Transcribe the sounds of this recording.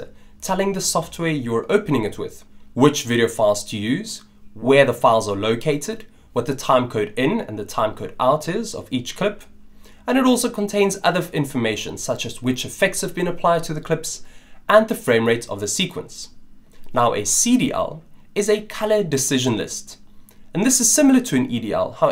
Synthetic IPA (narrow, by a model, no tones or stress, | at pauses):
ə̰tʰɛlˠɪ̃ŋðəsɔft̚ʰwɛɹjə˞ʔoʊpənɪ̃ŋɨt̚wɪ̰ð̥wɪt͡ʃvɪɾioʊfaɪlˠz̥tʰɨjʉːz̥ | wə˞ðəfaɪlˠzə˞loʊkʰeɪɾɨd̚ | wʌt̪̚ðətʰãɪ̃mkʰoʊɾɪ̃nɨ̰̃nðɨtʰãɪ̃mkʰoʊɾaʊɾɪzʌ̰vit͡ʃkʰl̥ɪp | ə̃nɨɾɔˑlˠsoʊkʰə̃ntʰẽɪ̃nzʌðəɪ̃ɱfəmeɪʃə̰̃nsʌt͡ʃɨzwɪt͡ʃɨfɛk̚tshəvbĩnəpʰl̥aɪd̚tʰɨðəkʰl̥ɪpsə̃nðəfɹẽɪ̃mɹeɪɾʌ̰vðəsikʰwə̰̃ns | naʊʔə̰siɾiʔɛ̰lˠ | ɨzɨkʰʌlədɨsɪʒə̃nlɪ̰stə̃nðɪsɨz̥sɪ̃ml̩ˠətʰɨɨ̃nʔḭdiɛ̰lˠha